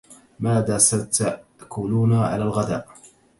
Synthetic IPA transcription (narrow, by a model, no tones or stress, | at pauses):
maːðaːsat̪akʊluːnaʕa̰laːlɣad̪a̰ːʔ